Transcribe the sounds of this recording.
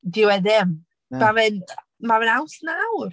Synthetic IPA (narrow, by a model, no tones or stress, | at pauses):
dɪwɛðɪm | mavɨn | mavɛnawɬnawr